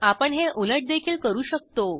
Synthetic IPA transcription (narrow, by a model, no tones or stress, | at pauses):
apəɳɦeʔuləʈ̚d̪ekʰiːlkəɾuːɕək̚t̪o